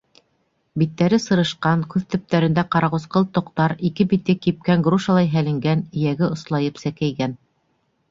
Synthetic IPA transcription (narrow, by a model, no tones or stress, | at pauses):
bit̪ːæɾɘsɤ̆ɾɤ̆ʃqɑŋkʉðt̪ɵ̆p̚t̪æɾɘ̆nd̪æqɑɾɑʁŏsqɤlˠt̪ŏqt̪ɑɾikɘbit̪̚ɡɘkip̚kæŋɡruʃɑlˠɑjɦælɘ̆ŋɡænɘ̆jæɡɘŏslˠɑjɤpsækæjɡæn